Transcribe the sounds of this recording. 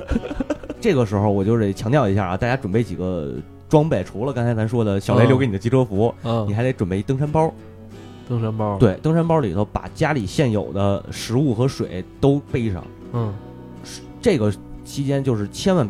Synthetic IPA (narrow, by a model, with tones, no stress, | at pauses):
ʈ͡ʂɤ˥˩ɡə˩ʂɻ̩˧˥xo˧ʊwɔ˨˩t͡ɕjʊʂ̩˥˩t͡ɕʰjɑ˧˥ŋt̪jʊi˧˥ɕja̰˥˩t̪a˥˩t͡ɕja˥ʈ͡ʂwə˨˩npe˥˩ɪt͡ɕi˨˩ɡə˦ | ʈ͡ʂwɑ˥ŋpe˥˩ɪʈ͡ʂʰu˧˥lə˧kɑ˥ŋkʰt̪ʰɪʂwɔ˥d̪ə˨ɕjɑ˨˩ʊle˧˥lo˥˧ke˧˥n˨˩ə˥t͡ɕi˧˥ʈ͡ʂʰɤ˥fu˧˥˧i˨˩xt̪e˧˥ʈ͡ʂə˨˩pe˥˩ɪ˧˥t̪ɤ˥ŋʂ̬a˥npɑ˥ | t̪ə˥ŋʂa˥npɑ˥we˥˩ɪt̪ɤ˥ŋʂa˥npɑ˥lḭ˨˩t̪ʰo˧˩ʊpa̰˨˩t͡ɕja˥li˨˩ɕjɛ˥˩njo˨˩ʊd̪ə˦ʂɻ̩˧˥u˥˩xɤ˧˥ʂwḛ˨˩˦ɪt̪o˥ʊpe˥˧ɪi˥˩ʂɑ̰˨˩˦ŋ̩˥˩ | ʈ͡ʂɤ˥˩ɡə˩t͡ɕʰi˥t͡ɕjɛ˥nt͡ɕjo˥˧ʊʂɻ̩˥˩t͡ɕʰjɛ˥nwa˥˧n